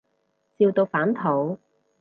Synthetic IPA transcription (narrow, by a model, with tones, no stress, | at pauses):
t͡siː˧wt̪o˧wfaː˨˥nt̪ʰo˨˥w